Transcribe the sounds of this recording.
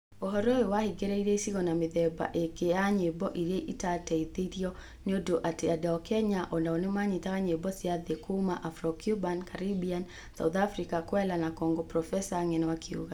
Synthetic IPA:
ɔɦɔɾɔɛwahiɡɛɾɛiɾeisikɔnamiðɛba̰ʔekeaɲebɔʔiɾeʔitatɛit̪iɾiɔ | nodoʔatɛadaɔkɛɲaʔɔndaɔnemaɲitakaɲebɔsiaðɛkʰumaʔafɾɔkjubankaɾibian | sa̰uθafɾikakwɛlanakɔŋɡɔpɾɔfɛsaŋɛnwakʰiṵɣa

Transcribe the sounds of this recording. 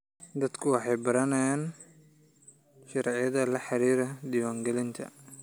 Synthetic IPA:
d̪ɐd̪kʰʊwɑħɑjbɐɾɐnɐjaːn | ʃɑɾʕjɐðɐlɐħɑɾiːɾɐd̪iwaːŋɡɛlɪnt̪ʰɐ̰

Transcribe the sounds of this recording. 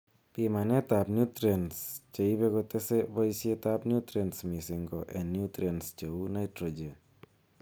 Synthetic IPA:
pimanet̪apnjut̪ɾenst͡ʃeibeɡot̪esebojsiet̪apnjut̪ɾensmisiŋɡoʔenːjut̪ɾenst͡ʃəunajtɾod͡ʒe

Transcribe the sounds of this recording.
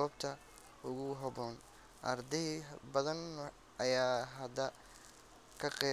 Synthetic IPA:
ɔbt̪ʰɐ | ʊɣʊɦɐbɔːn | ʔɐrd̪ɛbɐðɐn | ɐjaːɦɐd̪ɐ | kʰɐqɛ

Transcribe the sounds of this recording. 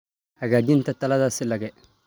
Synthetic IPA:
aɡaːd͡ʒɪntatɐladasɪlɐɡɛ

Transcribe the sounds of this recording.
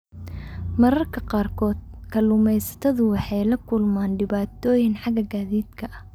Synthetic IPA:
mɐɾɐrkʰɐqɑːrkʰɔːd̪̚kʰɐlʊmɛjsɐ̥t̪ʰɐðʊwɑħɑjlɐkʰʊlmaːnɖɪβaːt̪ʰɔːjɪnħɑɡɐɡaːðiːd̪kʰɐʔɐh

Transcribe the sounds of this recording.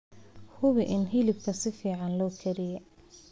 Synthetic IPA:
hʊβɪʔɪnɦɪlɪb̚kʰɐsɪfiːʕɑnlɔːkʰɛɾɪjɛ

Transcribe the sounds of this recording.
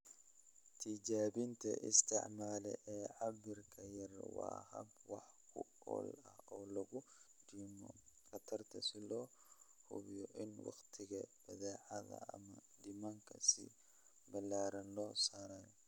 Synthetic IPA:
t̪ʰid͡ʒaːbint̪ʰɐ̰ʔɪ̰st̪ɪ̰ʕmaːlɛ̰ʔɛːʕabɪɾkʰɐjɛɾwa̰ːhɐ̰bwɑħkʰuɔ̰ːlɐhɔlɐɡudimɔkɐt̪ʰɐɾt̪ʰɐsilɔ | hṵbjɔʔɪnwɑ̰xt̪ʰɪɡɐb̥ɐðɛːʕaðɐ̰ɐ̰mɐdimaŋkʰɐsḭ | bɐlaːɾɐnlɔsaːɾaːjɔ

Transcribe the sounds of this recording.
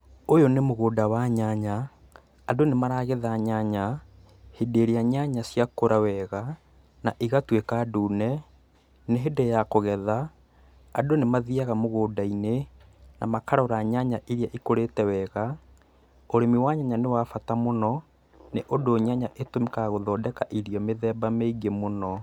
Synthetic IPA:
ojonemoɣoːdawaɲaɲaː | donemaɾaɣeðaɲaɲa | hedeɾiaɲaɲasjakoɾawɛɣa | naʔiɣatwekaːduːnɛ | neɦedɛjakoɣɛðaː | donemaðiaɣamoɣoːdainena̰makaɾɔɾaɲaɲaʔiɾjaʔikoɾetɛwɛɣa | oɾemiwaɲaɲanewafatamonɔ | neʔodoːɲaɲaʔetomikaɣoðɔdɛkaʔiɾijɔmeðɛbameiɡemonɔ

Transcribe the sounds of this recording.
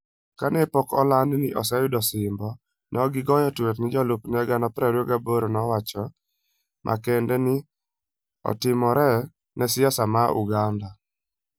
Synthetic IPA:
kanɛpɔkɔ̰lannɪʔɔ̰sɛjʊdɔsɪmbɔ | nɔɡɪɡɔjɔtwetnɪd͡ʒɔlʊpnɛɡanɔpɾɛɾoɡaboɾonɔwat͡ʃɔ | mʔa̰kɛndɛnɪ | ɔ̰tɪmɔɾɛ | nɛsɪasamaṵɡanda

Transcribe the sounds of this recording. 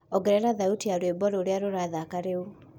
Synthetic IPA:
ɔɡɛɾɛɾaðautiaɾwebɔɾoːɾeaɾoɾaðakaɾeu

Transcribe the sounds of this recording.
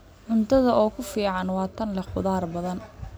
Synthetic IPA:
ʕʊnt̪ʰɐðɐʔɔːkʰʊfiːʕɑnwɑːt̪ʰɐnlɐqʊðaːrbɐðɐn

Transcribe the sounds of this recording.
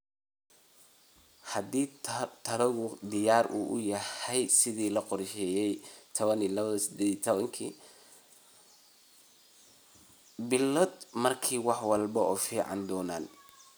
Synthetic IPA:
hɐd̪iːt̪ʰɐɾɐɣʊd̪ɪjaːrʔṵːʔʊ̰jɐhɛjsɪðiːlɐqɔrʃɛjɛjt̪ʰɔβɐniːlɐβɐðɐsɪd̪ɛːðit̪ʰβɐŋkʰiː | bɪlɔd̪mɐrkʰiːwɑħwɑlbɐɔːfiːʕɑ̰nd̪ɔːna̰ːn

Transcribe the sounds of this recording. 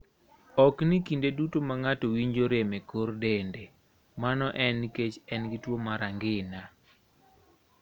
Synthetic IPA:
ɔknikindedutomaŋatɔwiɲd͡ʒoɾemekordende | manɔʔɛniket͡ʃɛnɡitwomaɾaŋɡɪna

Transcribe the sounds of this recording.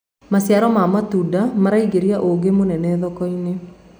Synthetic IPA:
masjaɾɔmamatudamaɾaiɡeɾiaʔoɡemonɛnɛðɔkɔine

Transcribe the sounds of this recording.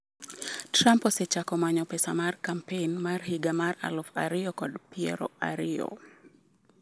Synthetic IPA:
tɾamposɛt͡ʃakɔmaɲɔpɛsa̰markampenmarhiɡamara̰lɔfaɾɪɔkɔdpiɛ̰ɾɔ̰a̰ɾɪɔ̰

